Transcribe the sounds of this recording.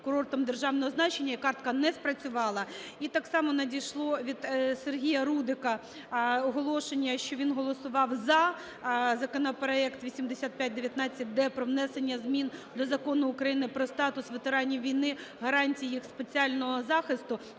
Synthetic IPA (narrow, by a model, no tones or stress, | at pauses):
kʊɾɔrt̪ɔmd̪erʒɑwnɔɦɔznɑt͡ʃenʲːɐikɑrt̪kɐnɛspɾɐt͡sʲʊʋɑlˠɐit̪ɑksɑmɔnɐdʲijʃlˠɔʋʲid̪serɦʲijɐɾud̪ɪkɐ | ɔɦɔlˠɔʃenʲːɐʃt͡ʃɔʋʲinɦɔlˠɔsʊʋɑwzɐ | zɐkɔnɐpɾɔɛkt̪ʋʲisʲimd̪esʲat̪̚pʲjat̚ʲd̪eʋʲjɐt̪nɑt͡sʲːɐt̚ʲd̪ɛpɾɔʋnɛsenʲːɐzmʲind̪ɔzɐkɔnʊːkɾɐjinɪpɾɔst̪ɑt̪ʊsʋet̪eɾɑnʲiʋʲijnɪɦɐɾɑnʲtʲijijixspet͡sʲiɑlʲnɔɦɔzɑxɪst̪ʊ